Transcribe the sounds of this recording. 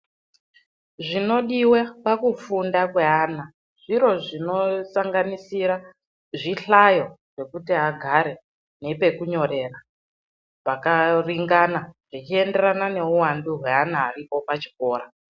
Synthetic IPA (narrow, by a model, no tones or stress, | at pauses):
ʐino̞ɗiwapakufundakwe̞aːna | ʐ̥iɾo̞ʐino̞saŋɡanisiɾa | ʐiɬajo̞ʐ̥e̞kutiɦaɡʱaɾe̞ | nepe̞kuɲo̞re̞ra | pakariŋɡanaʐ̥it͡ʃie̞nde̞ɾanane̞uwanduɦwe̞anaːripo̞pat͡ʃi̥ko̞ːɾa